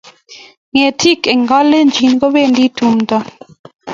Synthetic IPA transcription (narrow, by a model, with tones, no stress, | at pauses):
ŋe˨tʰi˦ke˨ŋɡɔ˦le˦nd͡ʒi˨nɡo˦be˦˨ndi˦tu˨mtɔ˦